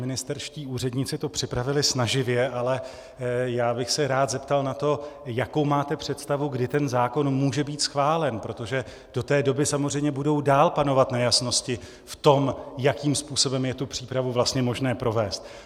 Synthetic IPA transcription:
mɪnɪst̪ɛɾʃciːʔuːrɛdɲɪt͡sɪt̪o̞pr̥ɪpɾavɪlɪsnaʒɪvjɛʔalɛ | jaːbɪxsɛɾaːt̪zɛpt̪alnat̪o̞jako̞wmaːt̪ɛpr̝̥ɛt̪st̪avuɡdɪt̪ɛnzaːko̞nmuːʒɛbiːt̪sxvaːlɛnpɾo̞t̪o̞ʒɛ | d̥o̞t̪ɛːdo̞bɪsamozr̝ɛjmɲɛbudo̞wdaːlpano̞vat̪najasno̞scɪ | ft̪o̞mjakiːmspuːso̞bɛmjɛt̪upr̥iːpɾavuvlast̪ɲɛmo̞ʒnɛːpɾo̞vɛːst̪

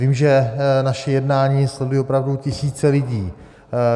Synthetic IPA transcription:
viːmʒɛnaʃɛjɛdnaːɲiːslɛdujɛopɾavducɪsiːt͡sɛlɪɟiː

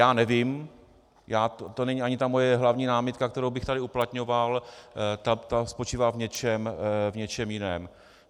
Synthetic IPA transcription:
jaːnɛvɪm | jaːt̪t̪o̞nɛɲiaɲɪt̪amo̞jɛɦlavɲiːnaːmɪt̪kakt̪ɛɾowbɪxt̪adɪuplat̪ɲo̞valt̪at̪aspo̞t͡ʃiːvaːvɲɛt͡ʃɛmvɲɛt͡ʃɛmjɪnɛːm

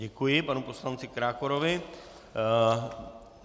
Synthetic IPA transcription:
ɛkujɪpanupo̞slant͡sɪkɾaːkoɾovɪ

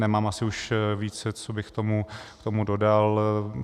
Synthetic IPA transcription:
nɛmaːmasɪuʃviːt͡sɛt͡sobɪxkt̪omukt̪o̞mudo̞dal

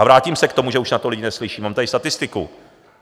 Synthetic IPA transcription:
avɾaːciːmsɛkt̪o̞muʒɛuʃnat̪olɪɟɪnɛslɪʃiːmaːmt̪adɪst̪at̪ɪst̪ɪkṵ

